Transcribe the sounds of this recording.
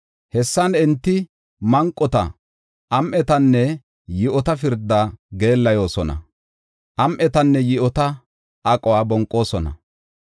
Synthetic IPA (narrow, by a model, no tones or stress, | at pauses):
hɛsːɐnɪnt̪ːɪ | mɐŋkʼːɔt̪ɐ̰ | ʔɐmʔɛt̪ɐnːɛ | jɪʔɔt̪ɐfɪɾd̪ːaɡe̞ːlːɐjo̞ːsɔnɐ̰ | ʔɐmʔɛt̪ɐnːɛjɪʔɔt̪ɐ | ʔɐkʼɔwaːbɔŋkʼːo̞ːsɔnɐ̰